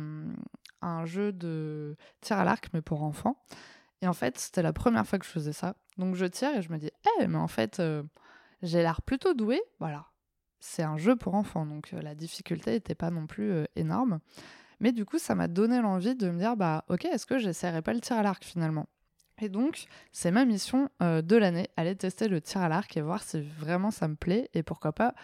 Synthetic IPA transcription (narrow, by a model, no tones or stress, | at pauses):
ɛ̃ʒød̪ət̪ʰiʁa̰la̰ʁkmɛpuʁɑ̃fɑ̃ | eɑ̃fɛt̪se̥t̪ɛlapχəmjɛ̰ʁfwakəʒ̥əfəzɛsa | d̪ɔ̃kʒət̪ʰiʁeʒəməd̪iɛmɛɑ̰̃fɛ̰t̪ø | ʒelaʁplyt̪od̪uevwala | sɛt̪ɛ̃ʒøpʰuʁɑ̃fɑ̃d̪ɔ̃kʰlad̪ifikʲylt̪eːt̪ɛpanɔ̃plyøḛnɔ̰ʁmmɛd̪ykusama̰d̪ɔnelɑ̃vid̪əməd̪iʁbaʔɔkʲeɛskəʒesɛjʁɛpalət̪ʰiʁalaʁkfinalmɑ̃ | ed̪ɔ̃ksɛmamisjɔ̃ød̪əlaneʔalet̪ɛst̪elət̪ʰiʁalaʁkevwaʁsivʁɛmɑ̃saməplɛepuʁkwapa